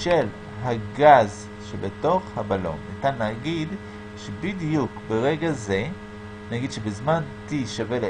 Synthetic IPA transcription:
ʃel | ɦaɡaz | ʃebeto̞χhabalo̞̰nːitanlaːɡid | ʃebidjukbeʁe̞ɡaze̞ | naɡidʃebezmantiʃavele

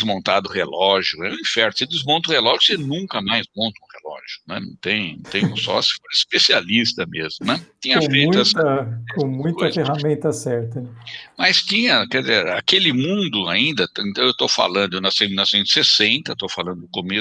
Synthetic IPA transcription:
zmõnt̪a̰d̪ʊhelɔʒjʊɛʊ̃ĩfɛɾnʊsed̪ɪzmõnt̪ɐʊhelɔʒʊsenũŋkɐmajzmõnt̪ɐũhelɔ̰ʒʊnɛ̰nɐ̰̃w̃t̪ẽj̃nɐ̃w̃t̪ẽjʊ̃sɔ̰sɪ̥foɾispesialist̪ɐmezmʊnɛt̪ĩɲɐɐfejt̪ʊɛsɐkõmũj̃koɐfehamẽnt̪ɐsɛɾt̪ɐnɛmɐjst̪ĩɲɐkɛɾd̪ɪzeɾa̰kelɪmũnd̪ʊaĩnd̪ɐt̪ẽnt̪ɐ̃w̃ewt̪owfa̰lɐ̃nd̪ʊewnɔsejminɔvsẽt̪ʊ̥sesẽnt̪ɐt̪owfalɐ̃nd̪ʊʊkome

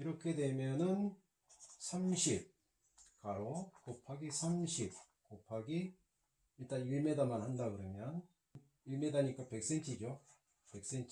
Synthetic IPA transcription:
iɾʌkʰe̞dwe̞mjʌnɯn | sʰamɕʰip̚ | kaɾokopʰaɡisʰamɕʰip̚ | kopʰaɡiː | ɭt͈aniɭme̞damanhandaɡɯɾʌmjʌn | uɭme̞daɲik͈ape̞k̚s͈ent͡ɕʰid͡ʑo | pe̞k̚s͈ent͡ɕʰ

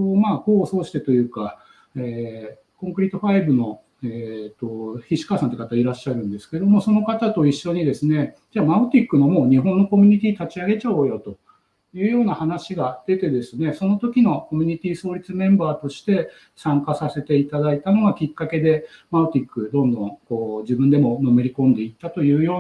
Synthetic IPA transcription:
omaːko̞ːso̞ːɕi̥t̪e̞t̪o̞jɯ̟ːka | eː | kõ̞ŋkɯ̟ɾʲit̪ːo̞ɸaibɯ̟no̞ | eːt̪ːo̞çiɕi̥kaːsãnt̪oikat̪aiɾaɕːaɾɯ̟̃nd̪e̞sɨ̥ke̞d̪o̞mo̞so̞no̞kat̪at̪o̞iɕːo̞ɲ̟id̪e̞sɨne̞d͡ʑaːmaɯ̟t̪ʲikːɯ̟no̞mo̞ːɲ̟iɦõ̞nːo̞ko̞mʲiɲ̟it̪̬ʲiːt̪at͡ɕiaɡe̞t͡ɕao̞jo̞t̪o̞ | jɯ̟ːjo̞ːnahanaɕiɡad̪̥e̞t̪e̞d̪e̞sɨne̞so̞no̞t̪o̞kʲino̞ko̞mʲiɲ̟it̪ʲiːso̞ːɾʲit͡sɨmẽ̞mbaːt̪o̞ɕi̥t̪e̞ | sãŋkasase̞t̪e̞it̪ad̪ait̪ano̞ɡakʲikːake̞d̪e̞maɯ̟t̪ʲikːɯ̟d̪õ̞nd̪õ̞ŋko̞ːd͡ʑibɯ̃nd̪e̞mo̞no̞me̞ɾʲikõ̞nd̪e̞it̪ːat̪o̞jɯ̟ːjo̞ː

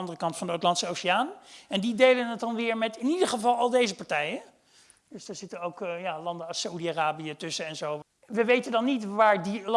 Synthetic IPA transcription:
ɑndərəkɑntfɑndəowtlɑntsəowsiaːnɛndidejlənɦət̚dɑnʋɪːɹmɛtɪnidəɹχəvɑlˠɑlˠdejzəpaɹtɛjə | døsdaːɹz̥ɪtənowkjaːlɑndəsaudiaraːbijətɵsəɛnzow | ʋəʋejtəndɑnːitʋaːɹdil

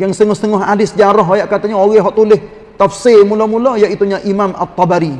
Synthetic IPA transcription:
jaŋst̪əŋɔhst̪əŋɔɦadɪsd͡ʒaɾɔɦojaʔkat̪aɲaoɣɛɦɔʔt̪ulɪh | t̪afsɪlmulomulojaʔit̪uɲaʔimama̰t̪ːɔbaɾi

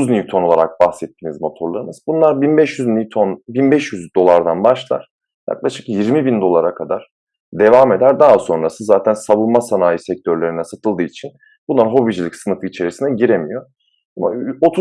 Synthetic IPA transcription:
znit̪ʰo̞no̞lˠaɾak̚baxsɛt̪ʰːiːnizmo̞t̪ʰo̞ɾlˠaɾɯnɯzbunlˠaɾbinbɛʃjyznit̪ʰonbinbɛʃjyzd̪o̞lˠaɾd̪anbaʃlˠa̰ɾ̥ | ja̰klˠaʃɯ̥kjiɾmibind̪o̞lˠaɾakʰad̪aɾ̥ | d̪e̞vaːme̞d̪æɾd̪aɦaso̞nɾasɯzaːt̪ʰænsaβɯlˠmasanaːjisɛc̚t̪ʰøɾlʲe̞ɾinɛsat̪ʰɯlˠd̪ɯːit͡ʃʰin | b̥unlˠaɾɦo̞bid͡ʒilʲicsɯnɯfɯit͡ʃʰe̞ɾisinɛɟiɾemijo̞ | ama̰ot̪ʰu

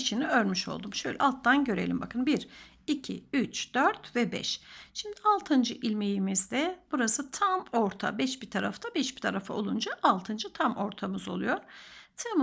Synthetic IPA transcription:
ʃiniøɾmyʃo̞̰lˠd̪umʃø̞jlʲɛ̰ʔalˠt̪ʰːanɟø̞ɾe̞̰lʲimbakʰɯnbiɾ | icʰḭyt͡ʃd̪̥øɾt̪vɛbɛ̰ʃʃimd̪ialˠt̪ʰɯnd͡ʒɯʔilʲmejimizd̪ɛb̥uɾasɯt̪ʰamoɾt̪ʰa̰bɛʃbit̪ʰaɾaft̪ʰabɛʃbi̥t̪ʰaɾafa̰o̞̰lˠund͡ʒaʔalˠt̪ʰɯnd͡ʒɯt̪ʰamo̞ɾt̪ʰamɯzo̞̰lˠujo̞ɾ̥t̪ʰem

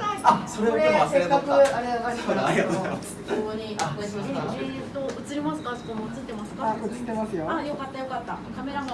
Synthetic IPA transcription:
asoɾeɾesekːakɯ̟aɾeanaao | koɡoɲiʔaei | t̪oɯ̟t͡sɨɾʲimasɨ̥kaso̥komoɯt͡sɨt̪ːe̞masɨ̥kaoɨt̪emasɨjoajokat̪ːajo̞kat̪ːakame̞ɾama

